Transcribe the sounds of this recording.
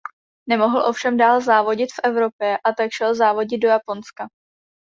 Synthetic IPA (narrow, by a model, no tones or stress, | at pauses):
nɛmo̞ɦl̩ʔo̞fʃɛmdaːlzaːvo̞ɟɪt̪fʔɛvɾo̞pjɛʔat̪akʃɛlzaːvo̞ɟɪd̪̚do̞japo̞nska